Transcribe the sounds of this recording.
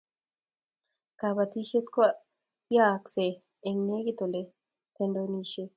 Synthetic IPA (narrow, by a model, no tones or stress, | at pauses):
kabɐt̪iːʃɛt̪kɔ | jaːkseː | ŋːeːɡɪt̪ɔlɛ | sɛnd̪ɔniːʃɛ